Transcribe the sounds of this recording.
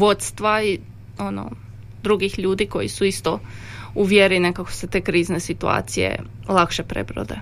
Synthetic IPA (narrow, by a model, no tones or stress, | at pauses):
ʋo̞t̪st̪ʋai | o̞no̰ | d̪ɾuɡixʎuːd̪iko̞jḭsuist̪ouʋjeɾinekako̥set̪e̞ːkɾiːznesit̪ua̰ːt̪sijḛ | lˠakʃepɾḛbɾo̰d̪ḛ